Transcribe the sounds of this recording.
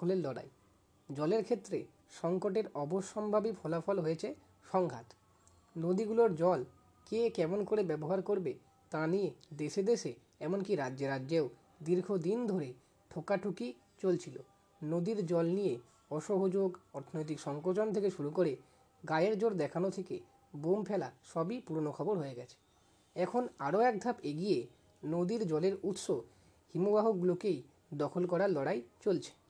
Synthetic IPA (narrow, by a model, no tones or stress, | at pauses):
oleɾlɔɽa̰e | d͡ʑɔleɾkʰet̪ːɾe | ʃɔŋkoʈ̬eɾɔboʃːɔmbʱabipʰɔlafʰɔlɦojet͡ɕʰe | ʃɔŋɡʱa̰t̪ | nod̪iɡuloɾd͡ʑɔl | kekɛmonkoɾebɛboɦaɾkoɾbe | t̪anijed̪eʃed̪eʃe | ɛmonkiɾadd͡ʑeɾadːd͡ʑeo | d̪iɾɡʱod̪ind̪ʱoɾe | ʈʰokaʈʰuki | t͡ɕolt͡ɕʰilo | nod̪iɾd͡ʑɔlnije | ɔʃoɦod͡ʑoɡɔɾt̪ʰonojt̪̬ikʃɔŋkot͡ɕont̪ʰekeʃuɾukoɾe | ɡaeɾd͡ʑoɾd̪ɛkʰanot̪ʰekḛ | bompʰɛlaʃɔbipuɾonokʰɔboɾɦoeɡɛt͡ɕʰe̥ | ɛkʰonaɾoɛk̚d̪ʱapeɡije | nod̪iɾd͡ʑɔleɾut̪ʃo | himubaɦokɡulokej | d̪ɔkʰolkɔɾaɾlɔɽajt͡ɕolt͡ɕʰe̥